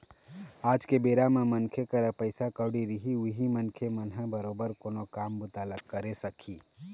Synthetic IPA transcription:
ad͡ʒkebeɾamemənkʰekəɾəpəɪsakəɽiɾiɦiuɦimənkʰemənɦə̃bəɾobəɾkoːnokambut̪aləkːəɾesəkʰiː

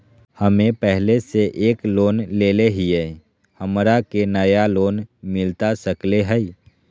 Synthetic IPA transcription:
həmẽpɛɦleseʔeːkloːnleːleɦiɛ | həmɾakenəjaloːnmɪlt̪asəkleɦɛi

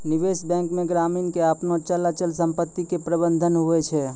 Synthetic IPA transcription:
nɪʋeːʃbɛ̃ːŋkmẽɡɾaːmiːnkeapnot͡ʃəlat͡ʃəlsə̃mpət̪ːikepɾəbə̃nd̪ʱənɦʊet͡ʃʰɛː

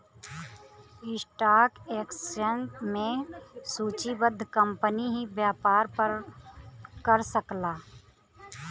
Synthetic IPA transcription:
ɪsʈaːkeːksenʈmẽsuːt͡ʃibəd̪ʱːkəmpəniɦibjaːpaːɾpəɾ | kəɾsəklaː

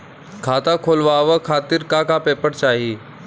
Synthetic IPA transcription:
kʰaːt̪akʰoːlʋaʋəkʰaːt̪ɪɾkãːkapeːpəɾt͡ʃaːɦiː

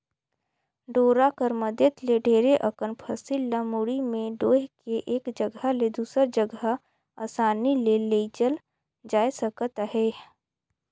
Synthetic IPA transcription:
ɖoːɾakəɾməd̪jət̪leɖʱeːɾeʔəkənpʰəsilːəmuɽimẽɖoːɦkeʔeːkd͡ʒəɡaled̪uːsəɾd͡ʒəɡə | aːsaːnileleid͡ʒəl | d͡ʒaːesəkət̪ɦɛː

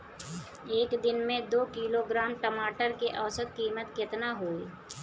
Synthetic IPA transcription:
eːkd̪ɪnmẽd̪oːkiːloɡɾaːmʈəmaːʈəɾkeʔɐʋsət̪̚kiːmət̪kɪt̪naɦoːi

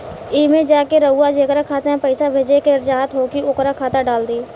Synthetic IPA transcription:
ɪːmẽd͡ʒaːkeɾəʊad͡ʒekɾakʰaːt̪ãpəɪsabʱeːd͡ʒekeɾd͡ʒaːɦət̪ɦokiʊkɾakʰaːt̪aɖaːld̪iː

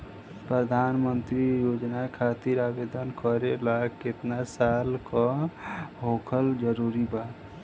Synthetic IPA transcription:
pɾəd̪ʱanmənt̪ɾijod͡ʒnakʰat̪iɾabed̪ʱənkəɾelaɡkɪt̪nasalkɔ | ɦokʰəld͡ʒəɾuɾibaːt̪

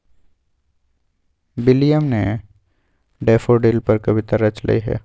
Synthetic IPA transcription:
bɪlijəmne | ɖeːfoɖeːlpɐɾkɐbɪt̪aɾɐt͡ʃlɐ̰iɦɛ̰ː

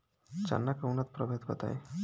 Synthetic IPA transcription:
t͡ɕa̰nːakawnat̪̚pɾɔbʱed̪kɔt̪a̰j

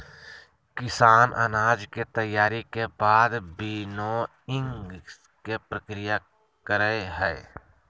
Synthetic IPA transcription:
kɪsaːnʔə̰naːd͡ʒket̪əjːaːɾikebaːd̪biːno | ɪ̃ŋɡ | kepɾəkɾɪja | kəɾəeɦɛː

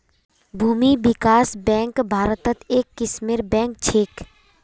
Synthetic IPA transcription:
bʱuːmibɪkaːsbɛ̃ːŋkbʱaːɾət̪ət̪eːkːɪʃmiːɾbɛ̃ːŋk̚t͡ʃʰeːk

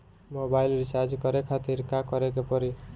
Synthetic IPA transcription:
mobajlɾisad͡ʒkɔɾekʰat̪iɾkakɔɾekepɔɾi

